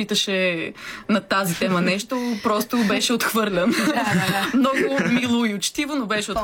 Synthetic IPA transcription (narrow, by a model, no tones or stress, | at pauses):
it̪əʃɛ | nɐt̪azit̪ɛmɐnɛʃt̪opɾɔst̪ʊbɛʃɛot̪xvɤɾlʲɐn | mnɔɡʊmilˠoiot͡ʃt̪ivonobɛʃɛot̪